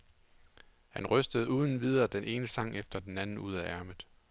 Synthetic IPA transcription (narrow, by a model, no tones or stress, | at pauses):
hænʁœsd̥əð̞̩ˠuːð̞ˠn̩ʋið̞ˠɐːd̥enʔe̝ːnəsɑ̈ŋ̰efd̥ɐd̥enænn̩uð̞̰ˠæʔæɐməð̩ˠ